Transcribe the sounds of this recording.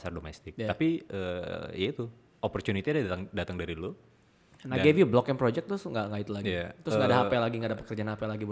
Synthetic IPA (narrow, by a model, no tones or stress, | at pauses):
asardomɛst̪ɪk̪̚apiə̰jait̪u | opɔrt͡ʃunit̪iadat̪aŋdat̪aŋdaɾilu | naɡevjublɔkɪŋpɾod͡ʒɛk̚t̪ʊsŋɡaʔŋaɪt̪laɡjat̪ɾʊsŋɡadaɦapɛlaɡiŋɡaːdapə̥kərd͡ʒanapɛlaɡib